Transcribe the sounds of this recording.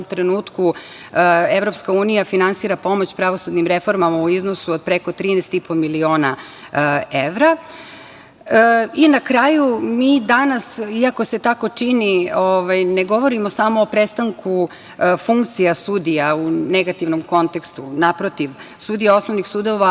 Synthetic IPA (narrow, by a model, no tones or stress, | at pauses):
mt̪ɾenuːt̪ku | e̞ʋɾo̞pskauːnijafinansiːɾapo̞mo̞t͡ɕpɾaʋo̞sud̪nimɾe̞fo̞ɾmamauiznosuod̪̚pɾe̞ko̞t̪ɾiːnɛst̪ipo̞milio̞ːna | eʋɾa | inakɾaːjumiːd̪anasiako̞se̞t̪ako̞t͡ʂinioʋajne̞ɡo̞ʋo̞ɾimosamoːpɾest̪aŋku | fuŋkt̪sijasud̪ijauneɡat̪iʋnomko̞nt̪e̞kst̪unapɾo̞t̪iʋ | sud̪ijao̞sno̞ʋnixsud̪o̞ʋa